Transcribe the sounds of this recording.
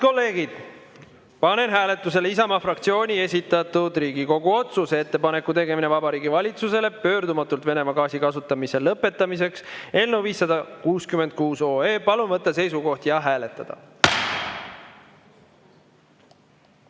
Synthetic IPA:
ko̞lːe̞ːɡ̥id̪̥ | pɑne̞nɦæːle̞t̪ˑːuse̞lisɑmɑfrɑkt̪sio̞ːnʲie̞sʲit̪ːˑɑt̪ud̪riːɡiko̞ɡuo̞t̪susee̞t̪ːe̞pɑne̞kːˑut̪e̞ɡe̞mine̞vɑbɑɾiːɡivɑlʲit̪suse̞le̞pø̞ːɾd̪umɑt̪ːˑult̪ve̞ne̞mɑɡɑːsikɑsut̪ːˑɑmise̞lɤpːˑe̞t̪ːˑɑmis̬e̞kse̞lnewviːsːɑd̪ɑkuːskymed̪̚kuːso̞ːe̞ːpɑlumvɤt̪ˑːɑse̞jsuko̞ht̪jɑɦæːle̞t̪ːˑɑd̪̥ɑ̰

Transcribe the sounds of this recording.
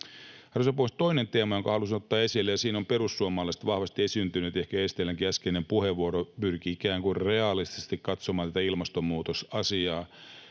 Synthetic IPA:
hɑrosepoist̪o̞inent̪e̞ːmɑjoŋkɑhɑlus̬inot̪ːɑːe̞silːejɑsiːnompe̞ɾusːuomːɑlːɑst̪ʋɑhʋɑst̪iesynt̪ynyt̪e̞hkæest̪elːæŋkiæskenempuheʋʋːuoɾopyrkiikæːŋkurre̞ɑlːˑist̪ist̪ikkɑt̪somɑːnt̪æt̪æilmɑst̪omːuːt̪osɑsiɑː

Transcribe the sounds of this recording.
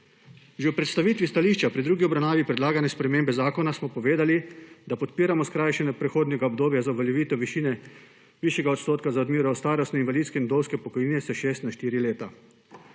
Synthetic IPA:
ʒɛwpɾɛt̪st̪aʋiːt̪ʋist̪aliːʃt͡ʃapɾid̪ɾuːɡiɔbɾawnaːʋipɾɛd̪laːɡanɛspɾɛmeːmbɛzaːkɔnasmɔpɔʋeːd̪alid̪apɔt̪piːɾamɔskɾajʃɛnɛpɾɛxoːd̪nɛɡaɔbd̪oːbjazauʋaljɛʋiːt̪ɔʋiʃiːnɛ | ʋiːʃjɛɡaɔt̪st̪oːt̪kazaɔd̪miːɾɔst̪aːɾɔst̪nɛinʋaliːt̪skɛinud̪owskɛpɔkɔjniːnɛsɛʃeːst̪naʃt̪iːɾileːt̪a

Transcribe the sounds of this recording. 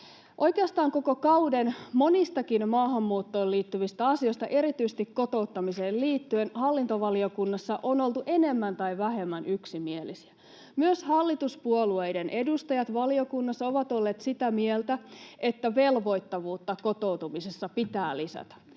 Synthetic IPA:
ʔo̞jkeɑst̪ɑːŋkoko̞kɑuwdenmo̞nist̪ɑkinmɑːɦɑmːuːt̪ːo̞ːliːt̪ːyʋist̪æɑsioist̪ɑ̰ʔe̞ɾit̪yisest̪ikko̞t̪o̞ut̪ːɑmiseːlliːt̪ːyenhɑlːint̪oʋɑliokunːɑsːɑʔono̞lt̪uʔe̞ne̞mːænt̪ɑiʋæhe̞mːænyksimielisi̥æ | myøshɑlːit̪uspuoluejdenʔe̞dust̪ɑjɑt̪ʋɑlio̞kunːɑsːɑo̞ʋɑt̪olːe̞ːt̪sit̪æmielt̪æe̞t̪ːæʋe̞lʋo̞jt̪ːɑʋuːt̪ːɑko̞t̪o̞ut̪umisesːɑpit̪æːlisæ̰t̪æ̥

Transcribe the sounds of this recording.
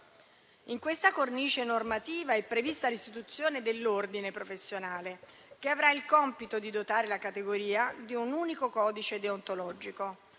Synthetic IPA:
iŋkwest̪akorniːt͡ʃenormat̪iːvaɛpːɾevist̪alist̪it̪ut̪sːjoːned̪elːord̪inepɾofesːjonaːle | keavɾailkɔmpit̪od̪id̪ot̪aːɾelakat̪eɡoɾiːad̪iunuːnikokɔːd̪it͡ʃed̪eont̪olɔːd͡ʒiko

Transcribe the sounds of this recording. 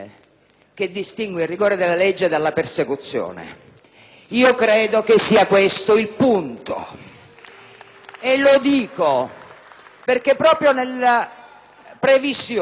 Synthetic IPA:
k̟ed̪ːist̪iŋɡweirːiɡɔːɾed̪elːaled͡ʒːed̪alːapersekut̪sːjo̰ːnḛ | iːokɾɛːd̪okesːiːakwest̪oilpunt̪o̰ | elod̪iːko | perkepːɾɔːpɾjonela | pɾevisj

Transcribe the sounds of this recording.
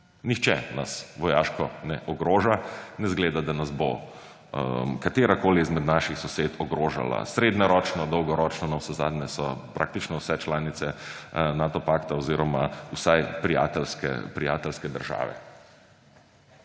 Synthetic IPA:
nixt͡ʃɛ̰na̰sʋɔjaːʃkɔnɛʔɔɡɾoːʒanɛzɡleːd̪ad̪anazbo | kat̪eːɾakoːliːzmɛd̪naʃixsɔseːt̪ʰɔɡɾoːʒa̰la̰sɾeːd̪nɔɾɔːt͡ʃnɔd̪ɔwɡɔɾɔːt͡ʃnɔnawsɛzaːd̪nɛsɔpɾʔa̰kt̪it͡ʃnɔwsɛt͡ʃlaːnit̪sɛnaːt̪ɔpaːkt̪aɔziːɾɔmausajpɾija̰ːt̪ɛlskɛ̰pɾijaːt̪ɛlskɛd̪əɾʒa̰ːʋɛ̰

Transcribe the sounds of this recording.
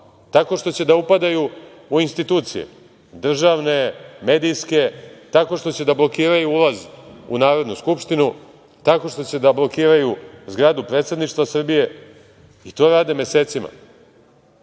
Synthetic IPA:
t̪ako̞ʂt̪o̞t͡ɕe̞d̪aupad̪aju | uinst̪it̪uːt̪sijḛ | d̪r̩ʒaʋne̞me̞ːd̪ijske̞t̪ako̞ʂt̪o̞t͡ɕe̞d̪ablo̞kiːɾajuulazṵnaːɾo̞d̪nuskupʃt̪inu | t̪ako̞ʂt̪o̞t͡ɕe̞d̪ablˠo̞kiːɾajuzɡɾaːd̪upɾe̞ːt̪se̞d̪niʂt̪vasr̩bije̞ | it̪o̞ːɾaːd̪e̞mje̞seːt̪sima̰

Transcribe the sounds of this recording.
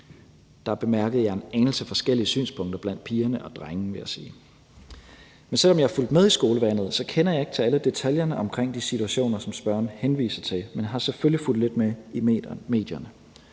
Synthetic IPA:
d̥ɑ̈æɐb̥e̝mæɐɡ̥ð̩ˠjɑ̈e̝neŋl̩sefɒ̽sɡ̥el̰iəsy̰ːnspʰɔ̽ŋ̰d̥ɐb̥læn̰d̥̚pʰiːɐnəʔɒ̽d̥ʁaŋn̩ʋe̝jæsiː | mensel̰ɒ̽mjɑ̈hɑ̈ful̰d̥með̞ˠisɡ̥o̝ːləʋæn̰ð̞̩ˠsɒ̽kʰenɐjɑ̈e̝ɡ̥̚t͡sʰe̝æləd̥e̝t͡sʰæljɐnəʔɒ̽mkʰʁeŋ̰d̥isit͡sʰuæɕo̝̰ːnɐsɒ̽msb̥ɶɐ̰nhenʋḭːsɐt͡sʰe̝lmenɦɑ̈seføliful̰d̥le̝d̥̚meimḛme̝̰ːd̥jɐnə

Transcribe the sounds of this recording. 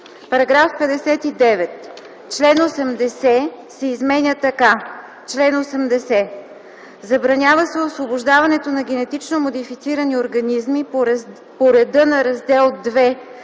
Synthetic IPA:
pɐɾɐɡɾafpɛd̪ɛsɛt̪id̪ɛvɛt̪ | t͡ʃlɛnosɛmd̪ɛsɛsɛizmɛnʲət̪ɐka | t͡ʃlɛnosɛmd̪ɛsɛ | zɐbɾɐnʲavəsɛosvobʊʒd̪avɐnɛt̪onɐɡ̟ʲɛnɛt̪it͡ʃnomod̪ifit̪siɾɐnioɾɡɐnizmi | poɾɛd̪ɤnɐɾɐzd̪ɛlˠd̪vɛ

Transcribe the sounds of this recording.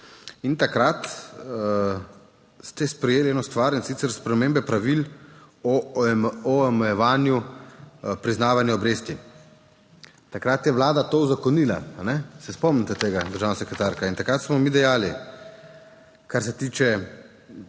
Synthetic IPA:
int̪akɾat̪ | st̪ɛspɾɛjeːlieːnɔst̪ʋaɾinsit̪sɛɾspɾɛmeːmbɛpɾaʋil | ɔ | ɔmɛjɛʋaːnju | pɾiznaːʋanjuɔbɾeːst̪i | t̪akɾat̪jɛʋlaːd̪at̪ouzakɔnila̰anɛsɛspɔmnit̪ɛt̪eːɡad̪əɾʒaːwnasɛkɾɛt̪aːɾkaint̪akɾat̪smɔmiːd̪ɛjaːli | kaɾsɛt̪iːt͡ʃɛ

